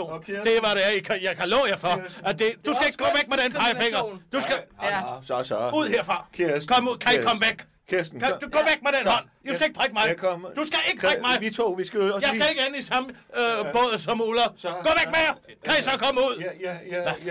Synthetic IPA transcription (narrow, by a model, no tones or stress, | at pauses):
o̰d̥e̝ʋɑ̈ɾejkʰæjɑkʰælɔ̰ːjɑfɒæd̥e̝d̥usɡ̥æe̝ɡ̥ɡɔ̰ːʋeɡ̥̚med̥enʰɑ̈ɪfeŋ̰ɐd̥usɡ̥æ | uð̰ˠheɐ̰fʁɑ̈kʰkʰɒmṵkʰæe̥kʰɒ̽məʋeɡ̥ | kʰsʰd̥uɡ̥ɔ̰ːʋeɡ̥meɾ̥enɦɒ̽n̰d̥usɡ̥æe̝ɡ̥̚pʰʁaɡ̥əmɑ̈ɪd̥usɡ̥æe̝ɡ̥əpʰʁaɡ̥mɑɪio̰isɡ̥jɑɪsæe̝ɡ̥əenisɑ̈məøb̥ɔð̰ˠsɒ̽mulɐ̥ɔ̰ːʋeɡ̥̚mejɐkʰæisɒ̽kʰɒ̽məuð̞̰ˠ